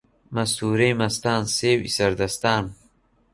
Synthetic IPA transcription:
mɐst̪uːɾeːjmɐst̪aːnseːwḭsɐɾd̪ɐst̪aːn

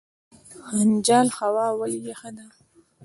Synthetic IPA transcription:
hand͡ʒɑːlxawɑwaljexəd̪a

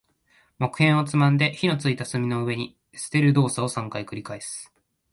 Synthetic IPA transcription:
mo̞kɯ̟hẽ̞ɰ̃o̞t͡sɨmãnd̪e̞çino̞t͡sɨit̪asɨmʲino̞ɯ̟βe̞ɲ̟i | sɨ̥t̪e̞ɾɯ̟d̪o̞ːsao̞sãŋkaikɯ̟ɾʲikae̞sɨ̥

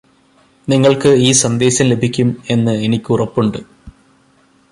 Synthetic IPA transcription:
niŋːɐɭkɨiːsɐnd̪e̞ːɕɐmle̞bʱikʲːume̞nːɨenikʲːurɐpːuɳɖɨ

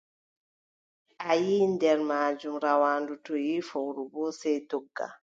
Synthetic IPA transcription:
ʔajiːndɛɾmaːd͡ʒumɾawaːndutɔjifɔwɾubɔsɛtɔɡːa̰

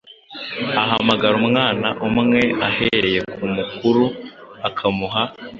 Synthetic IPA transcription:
aɦamaɡaɾumŋaːnaʔumŋe̞ahe̞ɾe̞je̞kumukuɾuakʰamuɦa

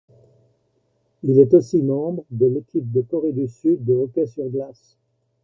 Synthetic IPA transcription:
ilɛt̪osimɑ̃bʁəd̪əlekʲip̚d̪əkɔʁed̪ysyd̪ːəɔkʲɛsyʁɡlas

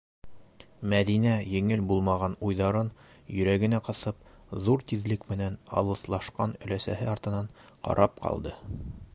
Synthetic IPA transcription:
mæðinæjɘ̆ŋɘlbulˠmɑʁɑnujðɑɾɤn | jɵ̆ɾæɡɘ̆næqɑsɤp | ðuɾt̪iðlɘkmɘ̆nænɑ̰lˠɤ̆slˠɑʃqɑnɵ̆læsæɦɘɑɾt̪ɤ̆nɑɴ | qɑ̰ɾʔɑp̚qɑ̰lˠd̪ɤ

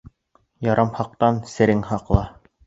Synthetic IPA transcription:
jɑɾʔɑmhɑq̚t̪ɑnsɘ̆ɾɘŋhɑqlˠɑ

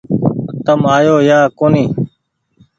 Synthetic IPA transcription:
t̪əmaːjoːjaːkoːniː

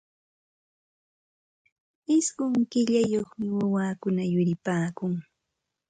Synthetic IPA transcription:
ɪsɢʊŋkɪʎajoχmɪwawaːkʊnajʊɾɪpaːkʊŋ

